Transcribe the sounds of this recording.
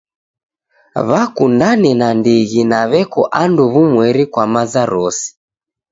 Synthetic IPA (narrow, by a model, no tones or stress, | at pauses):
βakundanɛnandiɣinaβɛkɔʔanduβumwɛɾikwamazaɾɔsi̥